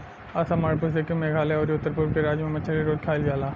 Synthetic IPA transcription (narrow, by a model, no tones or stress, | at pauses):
aːsamaːɽp̬ʊɾsekemeːɡʱaːleɔːɾjʊt̪ːəɾpʊɾkeɾaːd͡ʒmẽmɐʃʰəɾiɾoːd͡ʒkʰaːɪlɡaːlaː